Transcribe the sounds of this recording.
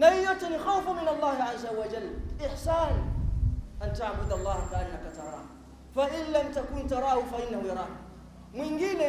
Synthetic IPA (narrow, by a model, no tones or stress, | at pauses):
najijot̪ːɛnixawfamɪnalˤːɑːhɪʕazːawad͡ʒalːʔɪħsaːn | ʔant̪aʕbʊd̪alˤːɑːhat̪aʔanakat̪ɑɾˤɑ̰ːh | faʔɪnlamt̪akuːnt̪ɑɾˤɑːhufaʔɪnːahujɑɾˤɑːh | mwiŋɡiːnɛ